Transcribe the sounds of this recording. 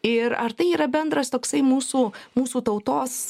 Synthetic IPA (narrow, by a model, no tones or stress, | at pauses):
ɪɾɐ̰ɾt̪ɐɪiːɾɐbʲɛnd̪ɾɐst̪oːksɐɪmuːsuːmuːsuːt̪ɐʊt̪oːs